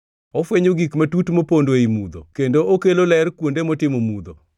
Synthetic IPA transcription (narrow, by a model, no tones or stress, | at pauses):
ɔfweɲoɡikmatutmopondwoimud̪o̰kendookelolɛɾkwondemɔtɪmomud̪o